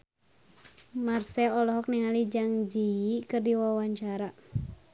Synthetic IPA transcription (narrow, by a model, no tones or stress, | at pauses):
marsɛlɔlɔɦɔk̚niŋalid͡ʒaŋd͡ʒiːkɨrdiwawaɲt͡ʃaɾa